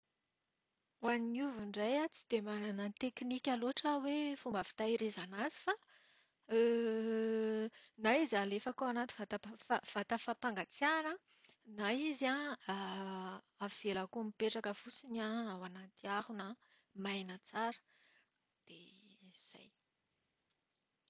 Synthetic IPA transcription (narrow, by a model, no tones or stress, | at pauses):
aniuviɳɖ͡ʐajat͡si̥d̪̥emananant̪eknikʲaloaʈ͡ʂəwefumbəfi̥t̪aiɾezanazi̥fa | naizalefakoanat̪i̥vat̪afav̥at̪afapaŋɡat͡saɾə | naizaa | av̥elakomipeʈ͡ʂakəfut͡sinaawanat̪iahunə | majnət͡saɾə̥ | d̪̥ez̥a̰j